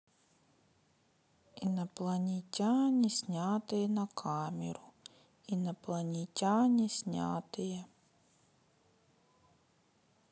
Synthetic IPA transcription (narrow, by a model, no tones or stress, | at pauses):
inɐplˠɐnʲetʲanʲisʲnʲat̪ɪjɛnɐkʰamʲɪɾʊ | inɐplˠɐnʲetʲanʲɪsʲnʲa̰t̪ɪjɛ